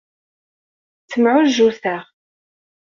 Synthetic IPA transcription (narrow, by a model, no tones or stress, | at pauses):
t͡sːəmʕʊʒuθæʁ